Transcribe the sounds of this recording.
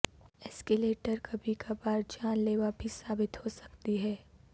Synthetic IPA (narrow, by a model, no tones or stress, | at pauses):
ɛːskeleːʈəɾkɐbʱikabaːɾd͡ʒaːnleːʋabʱisaːbɪt̪hosɐ̥kt̪iɦɛː